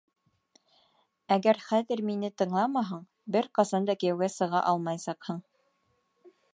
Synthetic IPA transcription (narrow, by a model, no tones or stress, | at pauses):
æɡæɾχæðɘ̆ɾminɘt̪ɤ̆ɴlˠɑmɑɦɤɴ | bɘɾqɑsɑnd̪ɑkɘ̆jæ̆wɡæsɤ̆ʁɑ̰ʔɑlˠmɑjsɑqhɤɴ